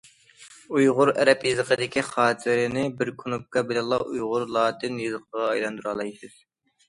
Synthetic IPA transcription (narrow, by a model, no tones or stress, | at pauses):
ujʁʊɾɛ̰ɾɛpjɨzɨqʰəd̪ɪkʲʰiχɑːt̪ʰɪɾɪnɪbɪɾkʰunup̚kɑbɪlɛnlˠɑʔujʁʊɾlˠɑːt̪ʰɨnjɨzəqʰəʁɑɑjlˠɑnd̪uɾɑlˠɑjsɨz̥